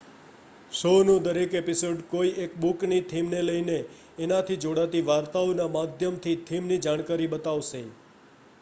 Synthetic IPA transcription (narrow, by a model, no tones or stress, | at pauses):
ʃonũd̪əɾekepisoɖkoiekbuknit̪ʰimneləineː | nat̪ʰid͡ʒoɽat̪iʋaɾt̪aonamad̪ʱjəmt̪ʰit̪ʰimnid͡ʒaɽ̃kaɾiɓət̪aʋse